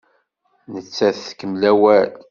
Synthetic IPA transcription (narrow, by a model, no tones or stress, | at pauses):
nət͡sːæθθkəmlæwæl